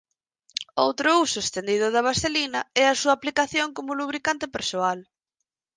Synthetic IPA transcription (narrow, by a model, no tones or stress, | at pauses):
owt̪ɾʊusʊest̪end̪iðʊðɐβasθelinɐɛɐsuɐːplikaθjoŋkomʊluβɾikant̪ɪpeɾsoal